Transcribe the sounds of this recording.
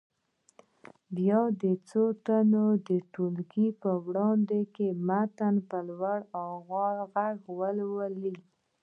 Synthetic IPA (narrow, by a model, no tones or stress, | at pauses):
bjɑd̪ət͡sot̪anod̪əʈolkipəwɽɑnd̪ekemat̪anpəlwaɽawɣɑɾɣaɣwəlwəli